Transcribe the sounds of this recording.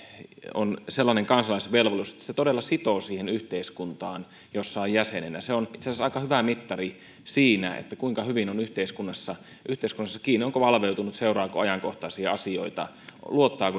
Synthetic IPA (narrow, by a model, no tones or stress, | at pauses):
o̰nselːɑneŋkɑnsɑlɑˑisʋelʋoluse̥t̪ːæ̥set̪odelːɑsit̪oːsiːhenyht̪eiskunt̪ɑːn | josːɑojæsenenæ̰seonit̪seæsɑikɑhyʋæmit̪ːɑri | siːnæ̰ḛt̪ːækuiŋkɑhyʋinonyht̪eiskunːɑsːɑ | ʔyht̪eˑiskunːɑsːɑkiːnːˑioŋkoʋɑlʋeut̪unut̪seurɑːkoɑjɑŋkoht̪ɑsiɑɑsio̰it̪ɑ̰ | luot̪ːɑːku